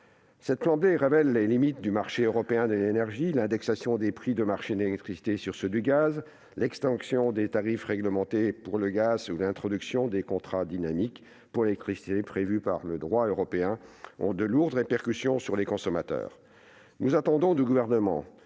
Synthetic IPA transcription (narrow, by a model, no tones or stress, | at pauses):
sɛt̪plɑ̃bleʁevɛlːelimit̪̚d̪ymaʁʃeøʁɔpeɛ̃d̪əlenɛʁʒilɛ̃d̪ɛksasjɔ̃d̪epχid̪əmaʁʃed̪elɛk̚t̪χisi̥t̪esyʁsəd̪yɡaz | lɛkst̪ɑ̃ksjɔ̃d̪et̪aʁifʁɛɡləmɑ̃t̪epuʁləɡazulɛ̃t̪χɔd̪yksjɔ̃d̪ekɔ̃t̪χad̪inamik | puʁelɛk̚t̪χisi̥t̪epχevypa̰ʁləd̪ʁwaøʁɔpeɛ̃ɔ̰̃d̪əluʁd̪ʁepɛʁkʲysjɔ̃syʁlekɔ̃sɔmat̪œ̰ːʁ | nuzat̪ɑ̃d̪ɔ̃d̪yɡuvɛʁnəmɑ̰̃